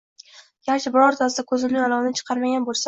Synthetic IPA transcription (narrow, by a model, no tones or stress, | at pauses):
jaχʃɪbɪɾɒɾt̪ʰas̬ɪd̪akʰɵzɪlːɪjalˠɒvnɪt͡ʃʰɨ̥qʰɑɾmaɡʲanbolˠsa